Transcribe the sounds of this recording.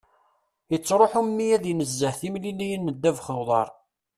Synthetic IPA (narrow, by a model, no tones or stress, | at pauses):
jət͡sːɾˤoħumːijæðjnəzːəhθimlilijənːəd̪ːævχəwðˤɑ̰ɾˤ